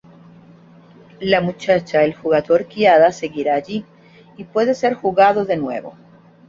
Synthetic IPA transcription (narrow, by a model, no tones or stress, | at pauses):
lamut͡ʃat͡ʃaelxuɣaðo̞ɾkjaðase̞ɣiɾaːʝi | ipwe̞ðe̞se̞ɾxuɣaðo̞ðe̞nwe̞̰βo̞̰